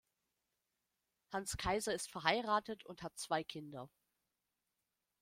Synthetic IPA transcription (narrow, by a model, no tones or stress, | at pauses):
hanskʰaɪzɐɪstfɛɐɦaɪʁaːtətʰʊnthat̚t͡sv̥aɪkʰɪndɐ